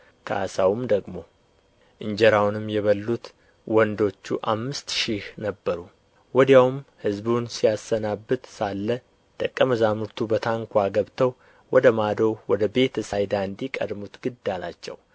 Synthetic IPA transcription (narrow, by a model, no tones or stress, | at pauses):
kʰəʔasawumd̪əɡmo̞ | ʔɨɲd͡ʒɛɾawnɨmːjɛβəlːut̪ | wɔnd̪o̞t͡ʃːṵʔamːɨst̪ʃihnəbːəɾu | wɔd̪jawmhɨzbunsijasːənabːɨt̪salːə | t̪ʼəkʼːəməzamɨɾt̪ʰubət̪ʰaŋkʷʰaɡəβt̪ʰəw | wɔd̪əmad̪owwɔd̪əbe̞t̪ʰəsajd̪and̪ikʼə̰d̪mut̪ɡɨd̪ːala̰t͡ʃːɛ̰w